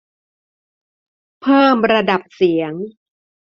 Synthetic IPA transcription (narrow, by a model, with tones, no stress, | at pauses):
pʰɤː˥˩mɾa˧da˨˩p̚si˩˦əŋ